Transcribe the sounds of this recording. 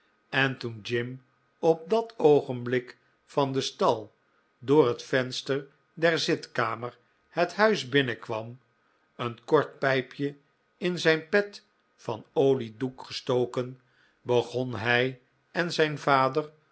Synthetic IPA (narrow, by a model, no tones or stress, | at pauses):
ɛntund͡ʒɪm | ɔp̚dɑtowχənblɪk | fɑnd̪əstɑlˠ | dʊːɹɦətfɛnstəɹ | dɛrzɪtkaːməɹ | həthœɥzbɪnəkʋɑm | ənkɔɹt̚pɛjpʰjə | ɪnzɛjnpɛt | fɑnowlidukχəstowkən | bəχɔnɦɛj | ɛnzɛjnvaːdər